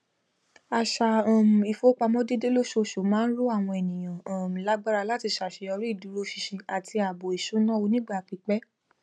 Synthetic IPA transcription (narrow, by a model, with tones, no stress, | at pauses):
a˨ʃa˨ɔ̃˨m̩˨i˨fo˨˦k͡pa˧mɔ̃˦de˦de˦lo˦ʃo˧ʃo˨˦mãː˦n̩˦lo˦a˦˨w̃ɔ̃˧ɛ˨nĩ˨j̃ã˨ã˨m̩˨la˨˦ɡ͡ba˦ɾa˧la˦ti˧˨ʃa˨ʃe˧ɔ˧ɾi˦i˦˨du˨˦ɾo˦ʃi˧ʃĩ˧a˨tʰi˧a˨bo˨i˨ʃu˨˦nã˦o˧nĩ˦ɡ͡ba˦˨k͡pi˨˧˦k͡pɛ˦